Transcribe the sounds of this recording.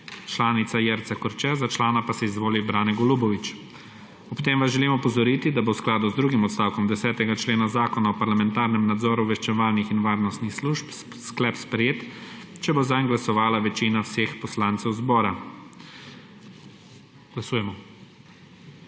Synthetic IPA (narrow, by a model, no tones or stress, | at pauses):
t͡ʃlaːnit̪sajɛɾt̪sakɔɾt͡ʃɛzat͡ʃlaːnapasɛizʋoːlibɾaːnɛɡɔlubɔʋit͡ʃ | ɔpt̪eːmʋazʒɛlimɔpɔzɔɾiːt̪id̪abowsklaːd̪uzd̪ɾuɡimɔt̪st̪awkɔmd̪ɛsɛːt̪ɛɡat͡ʃleːnazaːkɔnaɔpaɾlamɛnt̪aːɾnɛmnad̪zɔːɾuʋɛʃt͡ʃɛʋaːlnixinʋaːɾnɔst̪nixsluʃp | sklɛpspɾɛjeːt̪t͡ʃɛbozajŋɡlasɔʋaːlaʋɛt͡ʃinawsexpɔslaːnt̪sɛwzbɔːɾa | ɡ̥lasuːjɛmɔ